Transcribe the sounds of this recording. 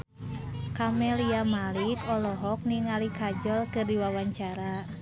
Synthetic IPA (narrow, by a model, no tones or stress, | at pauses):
kamɛliamalikɔlɔɦɔk̚niŋalikad͡ʒɔlkɨrdiwawaɲt͡ʃaɾa